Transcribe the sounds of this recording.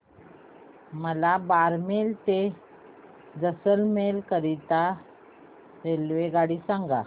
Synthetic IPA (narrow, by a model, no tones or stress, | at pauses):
məlabaɾmelt̪e | d͡zəsəlmelkəɾit̪a | ɾelʋeɡaɽiːsãŋɡa